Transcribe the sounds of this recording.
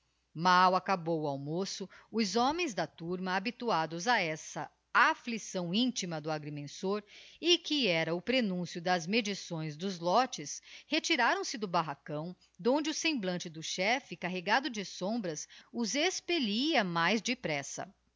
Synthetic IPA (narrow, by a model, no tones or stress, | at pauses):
mawakabowawmosʊʊzɔmẽj̃zd̪ɐt̪uɾmɐːbit̪uad̪ʊzaɛsɐ | aflisɐ̃w̃ĩnt͡ʃimɐd̪ʊaɡɾimẽsoɾɪkɪɛɾɐʊpɾenũsjʊd̪ɐzmed͡ʒisõj̃zd̪ʊzlɔt͡ʃɪshet͡ʃiɾaɾɐ̃w̃sɪd̪ʊbaɦakɐ̃w̃ | d̪õnd͡ʒɪʊsẽmblɐ̃nt͡ʃɪd̪ʊʃɛfɪkaɦeɡad̪ʊd͡ʒɪsõmbɾɐsʊzespeliɐmajzd͡ʒɪpɾɛsɐ̰